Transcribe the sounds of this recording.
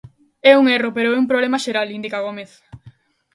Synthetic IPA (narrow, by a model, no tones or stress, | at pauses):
ɛuŋɛropeɾoɛumpɾoβlemaʃeɾalind̪ikaɣomeθ